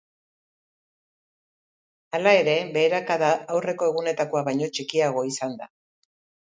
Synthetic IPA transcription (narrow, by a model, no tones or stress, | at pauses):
alae̞ɾe̞βe̞ːɾakaðaːwre̞ko̞e̞ɣune̞t̪ako̞aβajɲo̞t͡ʃikiaɣ̞o̞isand̪a̰